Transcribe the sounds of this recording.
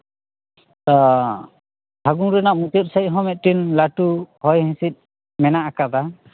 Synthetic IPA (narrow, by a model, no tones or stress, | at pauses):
tɔ | bʱaɡuŋɾɛnaʔmut̪ɔt̪̚saj̚ˀɦɔmɛt̪̚tinlaʈuhɔjɦɛ̃sit̪̚ | mɛnaʔakad̪a